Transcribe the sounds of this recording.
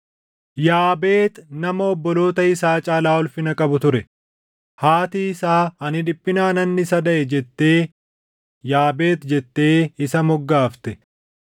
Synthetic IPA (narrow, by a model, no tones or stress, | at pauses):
jaːbe̞ːt̪nɐmɐɔbːɔlo̞ːt̪ɐɪsaːt͡ʃʼaːlaːɔlfɪnɐkʼɐbʊt̪ʊɾɛ | haːt̪iːɪsaːɐnɪᶑɪpʼːɪnaːnɐnːɪsɐd̪ɐʔɛd͡ʒɛt̪ːe̞ː | jaːbe̞ːt̪d͡ʒɛt̪ːe̞ːɪsɐmɔɡːaːft̪ɛ